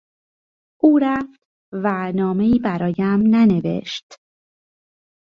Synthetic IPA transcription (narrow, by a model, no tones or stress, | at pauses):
ʔuːɾæft̪ | vænɒːme̞iːbæɾɒːjæmnæne̞ve̞̰ʃt̪